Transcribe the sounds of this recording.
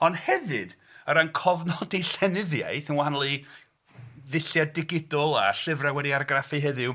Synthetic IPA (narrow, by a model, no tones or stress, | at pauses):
ɔnhɛvɨd | əɾankʰɔvnɔdejɬɛnɪðja̰jθənwaanlˠi | ðɪɬjaddɪɡɪdɔlˠa̰ɬɪvrawɛdiarɡrafiɦɛðɪw